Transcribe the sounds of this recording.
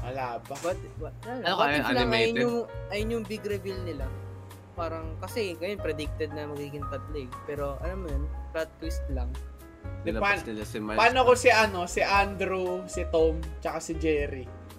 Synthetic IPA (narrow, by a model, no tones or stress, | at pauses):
ʔɐ̰laːbɐbɐt̪walŋɐjnʊʔɐjʊnjʊŋbiɡɾɛbilnɪla | paːɾɐŋkɐsɛŋɐjonpɾɛd̪ɪk̚t̪ɛd̪̚nɐmɐɡiːɡɪŋt̪ɐt̪̚lɛɡ̚pɛːɾo̞ʔɐlamːjonpɾɐd̪̚t̪ːwist̪̚lɐŋ | d̪ɪlpanlɛmɐpaːnokosiʔɐno̞sɪʔand̪ɾusɪt̪omt͡ʃɐkasɪd͡ʒɛːɾi